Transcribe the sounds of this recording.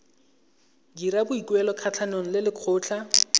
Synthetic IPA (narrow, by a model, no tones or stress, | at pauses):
dirabʊikwɛlɔkʰat͡ɬʰanoŋ̩lɪlɪkʰʊːt͡ɬʰa